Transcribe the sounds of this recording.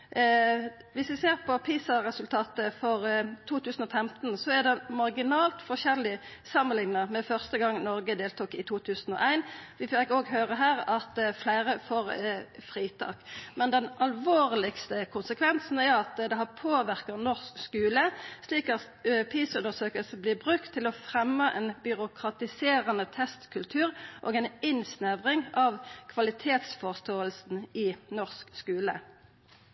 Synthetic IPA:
ʋɪsʋɪseːʁpʰɔpʰiːsɑɾɛsʉlt̪ʰɑːt̪əfɔʁt̪ʰuːt̪ʰʉːsn̩ɔːfɛmt̪nsɔæʁd̪ɛmɑʁɡɪnɑːlt̪fɔʁʃɛlːɪ | sɑmːənlɪŋnəmɛfœʁst̪əɡɑŋːnɔɾɡəd̪eːlt̪uːkɪt̪ʰuːt̪ʰʉːsn̩ɔ̰ːʔæɪnʋɪfkoːɡɦøːʁəɦæːʁɑt̪flæɪʁəfoːʁfʁiːt̪ʰɑ̰ːkmɛnd̪ɛnʔɑlʋoːʁlɪkst̪əkʰʊnsəkʰʋɛnsn̩æʁɑt̪d̪ɛɦæʁpʰoːʋæʁkəʁnɔʁskskʉːləsliːkɑt̪ | pʰiːsʉnəʁsøːkəlsəblɪːʁbʁʉkt̪ʰːɪlɔfʁɛmːəʔɛnbʏʁʊkʰʁɑt̪ɪseːʁənət̪ʰɛst̪kʰʉlt̪ʰʉːʁʔo̰ːɡɛnɪnsnæʋʁɪŋɑʋkʰʋɑlɪt̪ʰeːt̪sfɔʁst̪oːəlsn̩ɪnɔʁskskʉːlə̰

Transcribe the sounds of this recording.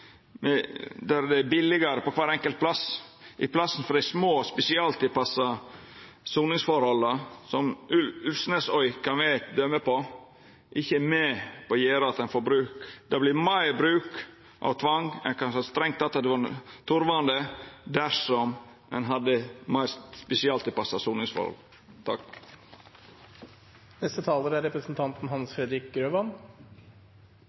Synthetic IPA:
mɛd̪æɾd̪ɛbɪlːɪɡɑɾəpɔkʰʋɑːɾɛŋkəlt̪̚pʰlɑsʔɪ̰pʰlɑsn̩fɔɾɪsmoːspɛsɪɑlt̪ɪpɑsɑ | suːnɪŋsfɔɾhɔlːəsɔmʉlʉlsnəsœʏkʰɑnʋæd̪œməpɔ | ʔɪçːəmɛpɔjeːɾɑɑt̪ɛnfɔɾbɾʉːkd̪̥ɑblɪɾmæɪɾbɾʉːk | ʔɑ̰ʋt̪ʰʋɑŋɛ̰nkɑnsɑst̪ɾɛŋt̪ɑt̪ːɑd̪ɛʋɑɾt̪ʰʊɾʋɑnd̪əd̪æʂɔm | ɛ̰nɦɑd̪ːəmæɪst̪spɛsɪɑlt̪ɪpɑsɑsuːnɪŋsfɔ̰ɾɔ̰ | t̪ʰɑk | nɛst̪ət̪ʰɑːləɾəæɾɛpɾəsnt̪ʰɑnt̪n̩hɑnsfɾɛd̪ɾɪk̚ɡɾøːʋɑn

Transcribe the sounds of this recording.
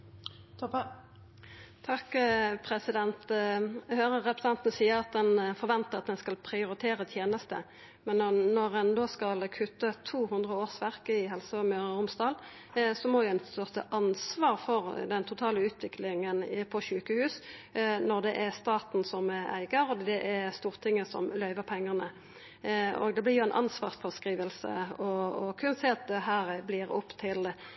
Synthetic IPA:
t̪ʰɑkːpʰʁɛsɪd̪ɛnt̪ | høːʁəʁɛpɾəsɛnt̪nəsiːəʁɑt̪̚d̪ɛnfɔʁʋɛnt̪əʁɑt̪̚d̪ɛnskɑlpʰʁɪʊɾɪt̪ʰeːʁət̪ʰjeːnəst̪ə̰ | mɛnnɔʁɛnd̪oːskɑlkʰʉt̪ːət̪ʰuːhʉnd̪ʁəoːʁsʋæʁkəɪɦɛlsəɔmœːʁəʊmsd̪ɑːl | sɔmɔdʊɛnt̪œʁt̪əʔɑnsʋɑːʁfɔʁd̪ɛnt̪ʰʊt̪ʰɑːləʉːt̪ʰʋɪklɪŋənpʰɔɕʉːkəhʉːsnɔʁd̪ɛʔæʁst̪ɑːt̪n̩sɔmæ̰ɪɡəɾɔd̪ɛʔæʁst̪uːʁt̪ʰɪŋːəsɔ̰mlœʏʋəʁpʰɛŋːəʁnə | o̰ːɡd̪ɛblɪʁjʊæɛnʔɑ̰nsʋɑ̰ːʁsfɔskʁiːʋəlsə̰ɔɔkʰʉnseːɑt̪̚d̪ɛɦæːʁblɪʁɔpːt̪ʰɪl

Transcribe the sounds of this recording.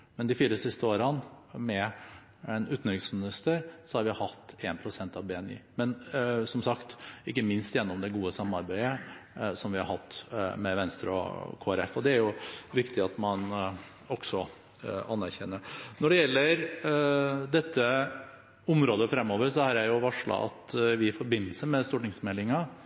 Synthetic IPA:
mɛnd̪ɪfiːɾəsɪst̪əoːɾənmɛ | ɛnʉːt̪nɪksmɪnɪst̪əɾsɔhɑɾʋɪhɑt̪ːeːnpʰɾʊsɛnt̪ɑʋbeːɛnḭːmɛnsɔmsɑkt̪ɪkːəmɪnst̪jɛnːɔmd̪ɛɡuːəsɑmːɑɾbæɪəsɔmʋɪhɑɾhɑt̪ːmɛʋɛnst̪ɾəɔ̰kʰoːæɾɛfːɔd̪ɛæɾjʊʋɪkt̪ɪɑt̪mɑn | ɔksɔ | ɑnːæɾçɛnːəɾnɔɖɛjɛlːəɾ | d̪ɛt̪ːə | ʊmɾoːd̪əfɾɛmːoːʋəɾsɔhɑɾjæɪjʊʋɑʂɭɑ̰ʔɑ̰t̪ʋɪɪfɔɾbɪnːəlsəmɛst̪uːʈnɪŋsmɛlːɪŋɑ

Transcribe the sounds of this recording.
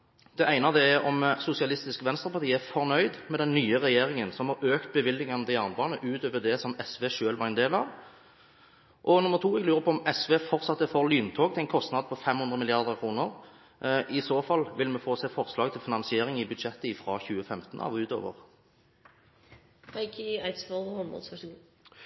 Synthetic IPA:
d̪̥ɛʔæɪnəɑʋd̪ɛɛʁɔmsʊsɪɑlɪst̪ɪskʋɛnst̪ʁəpɑʁt̪iːəæʁfɔʁnœʏd̪mɛd̪ɛnːyːəʁɛjeːɾɪŋənsɔmhɑɾøːkt̪̚bəʋɪlːɪŋɑnəd̪ɛɑʁnəbɑːnəʔʉːt̪øːʋəd̪ɛsɔmɛsʋeːʂøːlʋɑʁɛɪnd̪eːlɑ̰ʋ | ʔɔnʊməʁt̪ʰuːɛɡlʉːɾʁəpʰɔɔmɛsʋeːfɔʁt̪sɑt̪ːəfoʁlyːnt̪ʰoːɡt̪ɪlæɪnkʰɔst̪nɑd̪̚pʰɔfɛmhʉnd̪ʁəmɪlɪɑʁd̪əʁkʰʁuːnəʁ | ʔɪsoːfɑlʋɪlmɛfoːseːfɔʁslɑːɡ̚t̪ʰɪlfɪnɑnsɪeːʁɪŋɪbʉd̪ʂɛt̪ːəɪfɾɑːçʉːəfɛmt̪ən̩ɑ̰ʋʉːt̪ø̰ːʋə̰ʁ | aɪkʰɪaɪt̪sfɛlhɔnbɔ̰lsʋ

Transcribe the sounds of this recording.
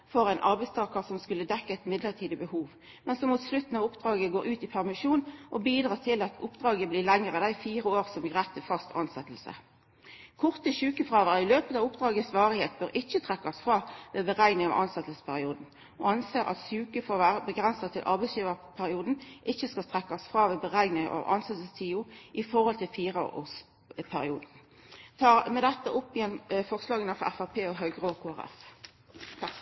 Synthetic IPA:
fɔʁæɪnʔɑ̰ʁbɛɪst̪ʰɑːkəʁsɔmskʉlːəd̪ɛkːəɛt̪mɪd̪ləʁt̪ʰiːd̪əbəhuːʋ | mɛnsɔmuːt̪slʉt̪n̩ɑʋʊpd̪̥ʁɑːɡəɡoːɾʉːt̪ɪpʰæʁmɪʃuːnʔɔbiːd̪ʁɑːt̪ʰɪlɑt̪ʰʊpd̪ʁɑːɡəbliːlɛŋːəʁəd̪æɪfiːʁəoːʁsɔmɡʁæt̪ʰːəfɑst̪ʰɑnsɛt̪l̩sə̰ | kʰɔʁt̪əʃʉːkəfʁɑːʋəʁɪløːpət̪ɑʋʊpd̪ʁɑːɡəsʋɑːʁɪheːt̪̚bøɾʔɪçət̪ʰʁɛkːɑsfʁɑːʋeːbəʁæɪnɪŋɑ̰ʋʔɑnsɛt̪əsəspʰæʁɪuːd̪n̩ | ɔ̰ɑnseːʁʔɑ̰t̪sʉːkəfoːʋæːʁəbəɡʁɛnsɑt̪ʰɪlʔɑ̰ʁbæɪsjiːʋəpʰæʁɪuːd̪n̩ʔɪçːəskɑlt̪ʰʁɛkːɑsfʁɑːʋebəʁæɪnɪ̰ʔɑ̰ʋʔɑ̰nsɛt̪əlst̪ʰiːʊʔɪfɔʁhɔlt̪ʰɪlfiːʁɑo̰o̰ːs | pʰæʁɪuːd̪̩ | t̪ʰɑːʁmɛd̪ɛt̪ːəʔʊpːɪjɛnfɔʁslɑːɡənəfɔʁæfæʁpʰeːɔɦœʉɡʁoːkʰoːæʁɛ̰fʰ

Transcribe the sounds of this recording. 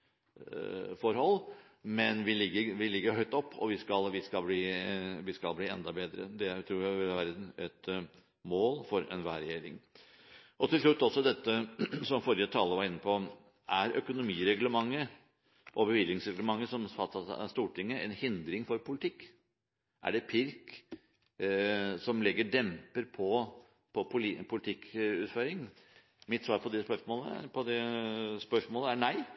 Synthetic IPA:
fɔɾhɔlː | mɛnʋɪlɪɡːəʋɪlɪɡːəɾhœʏt̪ɔpːʰɔ̰ʋɪskɑlʋɪskɑlbliːʋɪskɑlbliːɛ̰nd̪ɑbeːd̪ɾə̰d̪ɛæt̪ʰɾuːjæɪʋɪlʋæɾd̪n̩ɛt̪ | moːlfɔɾɛ̰nʋæ̰ːɾɛjeːɾɪ̰ŋ | ʔɔt̪ʰɪlʂ̬ɭʉt̪ːɔsːɔd̪ɛt̪ːəsɔmfɔɾɪət̪ʰɑːlːəʋɑɾɪnːəpʰɔ | ʔæɾʔœkʊnʊmiːɾɛɡləmɑŋːə | ʔɔbəʋɪlːɪŋsɾɛɡləmɑŋːəsɔmfɑt̪ːɑst̪uːʈʰɪŋːəɛnhɪnd̪ɾɪŋfɔɾpʰʊlɪt̪ʰɪkː | ʔæ̰ɖɛpʰɪɾk | sɔmlɛɡəɖɛmpəɾpʰɔ | pʰɔpʰʊpʰʊlɪt̪ʰɪkʉːt̪føːɾɪŋ | mɪt̪ːsʋɑːɾpʰɔd̪ɛspœʂmoːləpʰɔd̪ɛspœʂmoːləænæɪ

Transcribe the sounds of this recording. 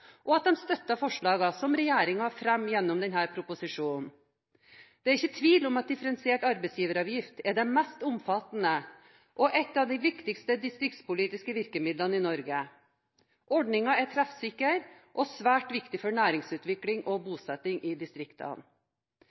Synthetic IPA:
ʔɔɑt̪̚d̪ɛmst̪œt̪ːɑfɔʂɭɑːɡɑsɔmɾɛjeːɾɪŋɑfɾɛmːjɛnːʊmd̪ɛnhæːɾpʰɾʊpʊsɪʂuːnn̩ | d̪̥ɛæɾɪçːət̪ʰʋiːlɔmɑt̪̚d̪ɪfəɾɛnsɪeːʈɑɾbɛsjiːʋəɾɑːʋjɪft̪ɛɖɛnmɛst̪ʊmfɑt̪nə | ʔɔʔɛt̪ːɑːʋd̪ɪʋɪkt̪ɪkst̪əd̪ɪst̪ɾɪkt̪spʊliːt̪ɪskəʋɪɾkəmɪd̪lɑnɪnɔɾɡə | ʔɔɖɳɪŋɑɛt̪ʰɾæfsɪkːəɾ | ʔɔsʋæːʈʋɪkt̪ɪfɔɳæːɾɪŋsʉːt̪ʋɪklɪŋʔɔbuːsɛt̪ːɪŋʔɪd̪ɪst̪ɾɪkt̪ʰɑ̰n

